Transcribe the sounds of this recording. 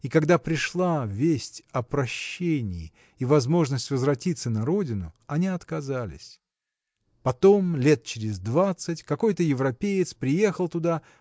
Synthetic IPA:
ikɐɡd̪apɾʲɪʂlˠavʲesʲtʲɐpɾɐɕːenʲɪɪ | ivɐzmo̞ʐnəsʲtʲvəzvrɐtʲit̪sənɐɾo̞dʲɪnʊɐnʲiɐt̪kɐzalʲɪ̰sʲ | pɐt̪o̞mlʲe̞t̪̚t͡ɕɪɾʲɪzʲd̪vat̪sɨtʲkɐko̞jt̪əjɪvɾɐpʲejɪt̪spɾʲɪje̞xəlˠt̪ʊd̪a

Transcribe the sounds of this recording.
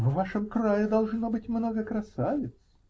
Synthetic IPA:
vvaʂɨmkrajɪd̪ɐlˠʐnobɨtʲmnoɡəkɾɐsavʲɪt̪s

